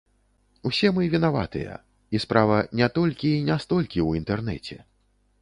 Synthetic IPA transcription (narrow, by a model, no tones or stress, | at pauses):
wsʲɛmɨvʲinava̰t̪ɨ̰jɐ̰ | ispɾavɐnʲɛt̪ɔlʲkʲiːnʲast̪ɔlʲkʲiwint̪ɛrnɛ̰t͡sʲɛ̰